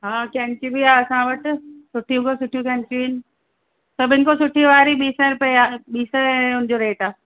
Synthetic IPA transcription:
ɦaːkɛ̃ːɳt͡ɕũbʱiaːɐsãʋɐʈ̆sʊʈʰijũkosʊʈʰijũkɛ̃ːɳt͡ɕũiːnɪ̆ | sɐbʱɪnkosʊʈʰiʋaːɾiɓiːsɛ̃ɾʊpəeaːɓiːsə̃ʊnɪd͡ʑoɾeːʈaː

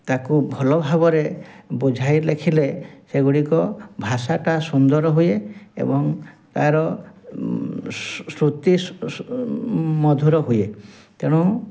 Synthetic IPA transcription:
t̪akubʱɔlɔbʱaβɔɾebud͡ʒʱajlekʰileseɡuɽikɔbʱasaʈasund̪ɔɾɔɦujeḛbɔŋ | t̪aɾɔ | sɾut̪i | mɔd̪ʱuɾɔɦuje | t̪ẽɔ

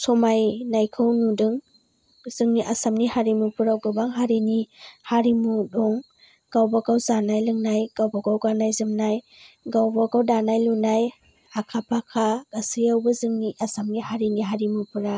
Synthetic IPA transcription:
sɔmajnajkʰɯwnudɯŋ | z̥ɯŋniʔasamnihaɾimupʰuɾawɡɯbaŋɦaɾinihaɾimudɔŋ | ɡ̥awbaɡawzanajlɯŋnajɡ̥awbaɡawɡanajzɯmnaj | ɡawbaɡawdanajlunaj | akʰapʰakʰaɡ̥asijawbɐzɯŋniʔasamnihaɾiniɦaɾimupʰɯɾa

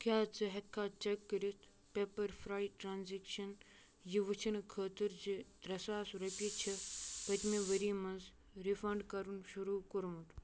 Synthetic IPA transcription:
kʰʲjaːt͡sɐɦɐt̪̚kʰaːt͡ʃɐkːəɾit̪ʰ | pepɐɾfʰɾaːjʈɾaːnzekʃɐn | jiʋɨt͡ʃʰinkʰəːt̪əɾd͡ʒid̪ɾɐsaːsɾɐpʲit͡ʃʰipɐt̪meʋɐɾimɐnz | ɾifɐɳɖkɐɾunʃuɾuːkuɾmut̪

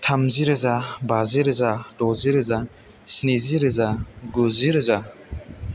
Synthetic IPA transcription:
tʰamziɾɯzabaziɾɯzad̥ɔziɾɯza | sneziɾɯzaɡuziɾɯza

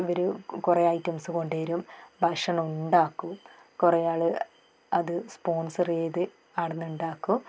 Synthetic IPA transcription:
iʋɐɾukureɐjtːɐmsɨko̞ɳɖeɐɾumbʱɐʂɐɳɐmuɳɖaːkːu | kurɐjaːɭɨ | ɐðɨspo̞ːnsɐreːðɨ | ɐɽɐnːuɳɖaːkːu

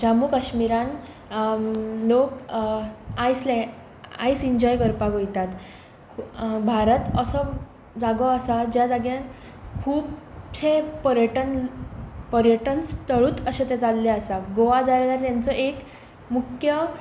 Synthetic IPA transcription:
d͡ʑamuːkaɕmiɾãn | lok | ajslɛ | a̰isiɲd͡ʑɔjɡəɾpaɡojt̪at̪ | bʱaɾət̪əsə | d͡zaɡɔasad͡ʑjad͡zaɡjãn | kʰuːpsepəɾjəʈən | pəɾjəʈənst̪əɭuːt̪əɕet̪et͡salːeasaɡoʋad͡zalalaɾt̪jant͡səʔek | mukʰjə

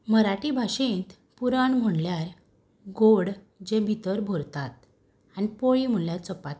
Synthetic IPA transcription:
məɾaʈibʱaɕẽnt̪ | puɾaɳm̤əɳljaɾ | ɡoɽ | d͡ʑẽbʱit̪əɾbʱoɾt̪at̪ | anipoɭiːm̤əɳljaɾt͡sɔpat̪

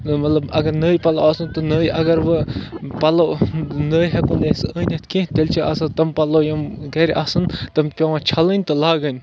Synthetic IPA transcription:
mɐt̪lɐbɐɡɐɾnəːjpɐloaːsɨnt̪ɔnəːjʔɐɡɐɾʋɨpɐlonəːjɦɐkunesəːnʲɐt̪ʰkẽɦt̪elʲt͡ʃʰiʔɐ̰sat̪ɐmpɐlojɐmɡɐɾʲʔa̰ːsɨnt̪ɐmpʲɐʋãt͡ʃʰɐlənʲt̪ɨlaːɡənʲ

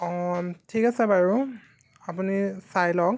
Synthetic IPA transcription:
tʰikasɛbaɹu | apunisajlɔk

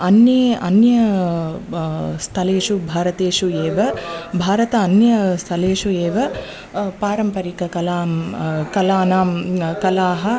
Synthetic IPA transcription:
ɐnjɐɐnjɐ | st̪ʰɐleːʂubʱaːɾɐt̪eːʃueːʋɐbʱaːɾɐt̪ɐːnjɐst̪ʰɐleːʂueːʋɐ | paːɾɐmpɐɾikɐkɐlaːmkɐlaːnaːmkɐlaːɦɐ

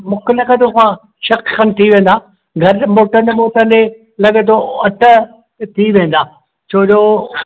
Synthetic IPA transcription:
mʊ̃kʰɪlɐɡət̪okã | ʃɐkkɐnt̪ʰiʋẽːnd̪aː | ɡʱɐɾmoːʈəɾnemoːʈəne | lɐɠət̪oɐʈə̆ | t̪ʰiʋẽːn̆d̪aː | t͡ɕʰoːd͡ʑoː

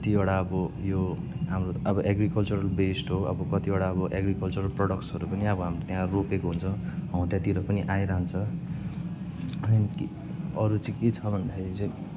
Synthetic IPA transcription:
kʌt̪ioɽaʌbʌjo | ɦamroʌbʌʔeɡrikʌlt͡suɾʌlbesʈɦoʌ̰bʌkʌt̪ioɽaʌbʌʔeɡrikʌlt͡suɾʌlprʌɽʌkʈsʌɾupʌniʌbʌɦamrot̪eɦãropekoɦunt͡sʰʌ̃w̃ɦʌ̃w̃ʈjat̪iɾʌpʌniʔaj̃ɾaɦnt͡sʰʌ | ʌki | ʌɾut͡sʌiket͡sʰʌbʱʌnd̪akʰeɾit͡sʌ̃

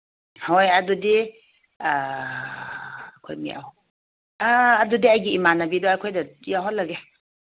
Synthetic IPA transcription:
hojɐdudi | kʰo̰jmḭʔa̰w | dudiɐjɡiːmanɐbidɔajkʰojdɐjawɦɔt̚lɐɡe

